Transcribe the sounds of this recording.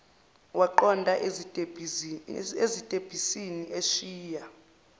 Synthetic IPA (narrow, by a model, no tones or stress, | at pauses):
waǃɔndʱaʔ | ezitʼeb̥ʱisiniʔeʃiːja